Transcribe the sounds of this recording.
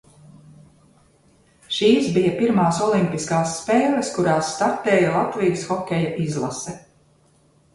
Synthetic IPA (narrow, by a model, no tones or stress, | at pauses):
ʃiːsbijɐpiɾmaːsɔlˠimpiskaːsːpeːlʲˠɐskuɾaːsːt̪aɾt̪ɛːjalˠat̪vijsxɔkʲɛjɐʔizlˠasɛ